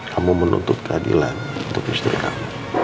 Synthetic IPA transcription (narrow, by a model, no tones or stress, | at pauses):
kʰamumənṵnt̪ʊt̪̚kʰəadḭlan | unt̪ʊkist̪ɾḭkamu